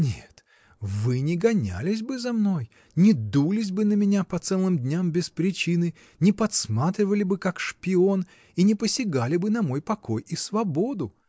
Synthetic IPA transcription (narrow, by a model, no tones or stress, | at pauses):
nʲet̪ | vɨnʲɪɡɐnʲa̰lʲɪsʲbɨzɐmno̞j | nʲɪd̪ulʲɪs̬ʲbɨnəmʲɪnʲapɐt̪sɛlˠɨmd̪ʲnʲambʲɪspɾʲɪt͡ɕinɨ | nʲɪpɐt̪smat̪ɾʲɪvəlʲɪbɨkakʂpʲɪo̞n | inʲɪpəsʲɪɡalʲɪbɨnɐmo̞jpɐko̞jisvɐbo̞d̪ʊ